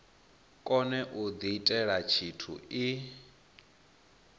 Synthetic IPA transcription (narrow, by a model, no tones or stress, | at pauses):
kʼɔnɛʔud̪iitʼɛɺat͡ʃʰitʰṵi